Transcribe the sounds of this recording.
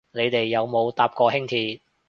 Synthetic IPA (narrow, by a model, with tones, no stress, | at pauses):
ne˨˧jt̪e˨jːɐ˨˧wmo˨˧wt̪aː˧p̚kɔː˧hɪ˥ŋt̪ʰiː˧t̚